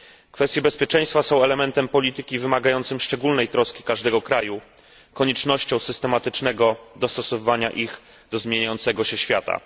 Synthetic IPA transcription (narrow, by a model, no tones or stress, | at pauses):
kfɛst̪ʲjɛbɛspʲjɛt͡ʂɛ̃j̃st̪fasɔ̃w̃ɛlɛmɛnt̪ɛmpɔlʲit̪ɘkʲivɘmaɡajɔnt̪sɘmʂt͡ʂɛɡulnɛjt̪ɾɔskʲi̥kaʐd̪ɛɡɔkɾaju | kɔɲɛt͡ʂnɔɕt͡ɕɔ̃w̃sɘst̪ɛmat̪ɘt͡ʂnɛɡɔd̪ɔst̪ɔsɔvɘvaɲa̰ʔix | d̪ɔzmʲjeɲajɔnt̪sɛɡɔɕɛɕfʲjat̪a̰